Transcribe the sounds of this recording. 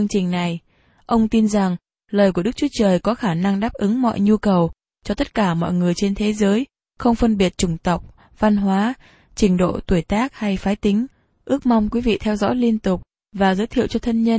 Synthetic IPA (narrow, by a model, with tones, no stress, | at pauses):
əŋt͡ɕï˨˩ŋ̟na˨˩j | ʔə˧wŋ͡mt̪i˧nza˨˩ŋ | ləː˨˩jk̬u˧˩əɗɨ˦˥k̚t͡ɕu˨˦t͡ɕəː˨˩jkɔ˨˦xaː˧˩na˧ŋɗaː˦˥p̚ʔɨ˨˦ŋmɔ̰˧˨jɲu˧kə˨˩w | t͡ɕɔ˧t̪ə˦˥t̚kaː˧˩mɔ̰˧˨jŋɨ˨˩əjt͡ɕe˧nt̪ʰe˨˦zəː˨˦j | xə˧wŋ͡mfə˧nɓi˨˩ət̚t͡ɕʊ˧˩ŋ͡mt̪ə˨˩wk͡p̚ | va˧nɦwaː˨˦ | t͡ɕï˧˩ŋ̟ɗo̰˧˨t̪u˧˩əjt̪aː˦˥k̚ha˧jfaː˨˦jt̪ï˨˦ŋ̟ | ʔɨ˦˥ək̚ma˧wŋ͡mkwi˨˦vḭ˧˨t̪ʰɛ˧wzɔ̰˧˥jli˧ənt̪ʊ˨˩k͡p̚ | vaː˨˩zəː˨˦jt̪ʰḭ˧˨əwt͡ɕɔ˧t̪ʰə˧nɲə˧n